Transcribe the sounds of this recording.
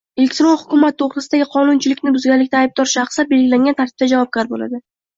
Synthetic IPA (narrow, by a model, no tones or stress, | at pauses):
e̞lʲe̞kʲt̪ɪɾonhʊkʰʲʊmat̪̚ːʰoχɾɪsɪd̪aɡʲɪqʰɒnʊnt͡ʃʰɪlɪkʲnɪbʊzɡʲanlɪk̚ʲt̪aːjb̚d̪ɒɾʃɑχsabe̞lɡʲɪlaŋɡʲant̪ʰaɾt̪ʰɪ̥b̥̚t̪ad͡ʒavɒp̚ɡʲaɾbola̰d̪ɪ